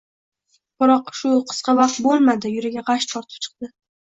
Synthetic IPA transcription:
b̥ɪɾɒqʃʊqʰɨ̥sqɑvɑqt̪̚bolˠmad̪ɪjʊɾaɡʲaʁɑʃt̪ʰɒɾt̪ʰɪ̥p̚t͡ʃʰɨ̥q̚d̪̥ɪ

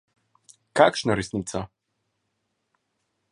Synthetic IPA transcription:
kakʃnɔɾesnit̪sɔ

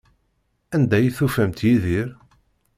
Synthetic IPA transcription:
ænd̪æjiθufæmt̪jiðiɾ

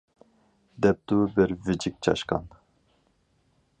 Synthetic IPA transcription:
d̪ɛp̚d̪ubɛɾvid͡ʒik̚t͡ʃʰɑ̰ʃkɑ̰n

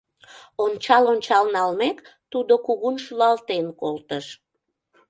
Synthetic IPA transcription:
ont͡ɕɑlont͡ɕɑlnɑlmekt̪ud̪okuɣunʃulɑlt̪enkolt̪əʃ

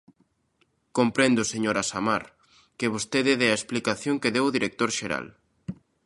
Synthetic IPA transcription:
kompɾend̪ʊseɲoɾasamaɾ | keβ̞ost̪eðeðɛaesplikaθjoŋkeðewoðiɾek̚t̪oɾʃeɾa̰l

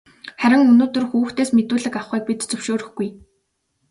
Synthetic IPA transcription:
χæɾʲɪ̆ŋɵnoːt̪ɵ̆rxuːxt̪eːsmet̪uːɮɘ̆kaχχiːk̚pit̪t͡sɵwʃoːɾɵ̆xɡuj

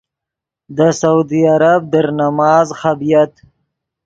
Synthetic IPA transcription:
d̪əsaud̪iaɾab̚d̪əɾnamɑːzxabijat̪

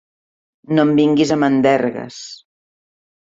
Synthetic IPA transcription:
nombiŋɡizəmənd̪ɛɾɣə̰s

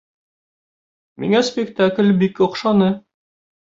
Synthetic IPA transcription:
mḭŋæspʲɪkt̪aklʲbikŏqʃɑnɤ

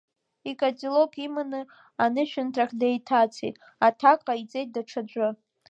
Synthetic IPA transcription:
ikʼat͡sʼilokʼimanɨ | anɨʃᶣʏntʰaχʲdejtʰat͡sʰejtʼ | atʰakʼait͡sʼe̞jt̚daʈ͡ʂʰad͡ʒʷʼʊ

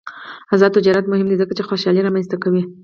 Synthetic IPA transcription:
azɑd̪̚t̪ɪd͡ʒɑɾat̪mʊhɪmd̪izəkat͡ʃexoʃɑliɾɑmanst̪akawi

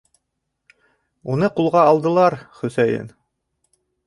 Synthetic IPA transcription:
unɤqulˠʁɑːlˠd̪ɤ̆lˠɑɾχɵ̆sæjɘ̰n

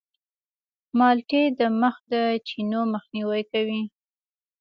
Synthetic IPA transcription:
mɑlʈed̪əməxd̪ət͡ʃinoməxniwajkawi

